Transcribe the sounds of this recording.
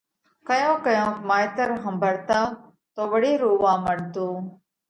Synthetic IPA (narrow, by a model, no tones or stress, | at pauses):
kəjõːkəjõːmaːjt̪əɾɦəmbʱəɽt̪aː | t̪oːʋəɽiːɾuːʋãːməɽt̪uː